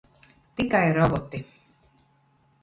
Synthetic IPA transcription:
t̪ikajɾɔbɔt̪i

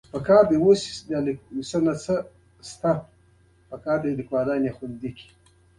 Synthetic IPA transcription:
pəkɑːɾd̪ewosd̪alisənat͡sə | st̪a | pəkɑːɾd̪elikwɑd̪ɑːnexʊnd̪ikʰi̥

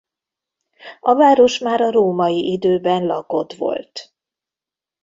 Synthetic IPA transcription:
ɒvaːɾo̞ʃmaːɾɒɾoːmɒjiʔid̪øːbɛnlɒko̞t̪ʋo̞̰lt̪

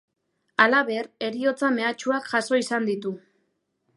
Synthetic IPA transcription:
alaβe̞re̞ɾio̞t͡same̞at͡ʃuakʝaso̞isand̪it̪u

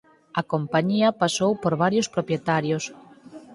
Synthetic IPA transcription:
ɐkompaɲiɐpasowpoɾβaɾjospɾopjet̪aɾjos

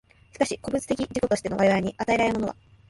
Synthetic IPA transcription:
ɕi̥kaɕiko̞bɯ̟t͡sɨ̥t̪e̞kʲid͡ʑiko̞t̪o̞ɕi̥t̪e̞no̞βaɾeβaɾeɲ̟iʔat̪ae̞ɾaɾeɯmo̞no̞βa̰

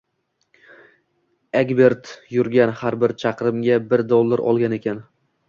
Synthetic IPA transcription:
eɡʲbe̞ɾt̪jʊɾɡʲanhaɾbɪɾt͡ʃʰɑqɾɪmɡʲabɪɾd̪olˠːaɾɒ̰lˠɡʲane̞kʲʰan

